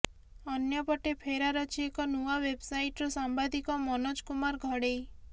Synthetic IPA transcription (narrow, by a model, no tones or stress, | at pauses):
ɔnjɔpɔʈepʰeɾaɾɔt͡ʃʰiekɔnuawebsajʈɔɾɔsambad̪ikɔmɔnɔd͡ʒkumaɾɡʱɔɽej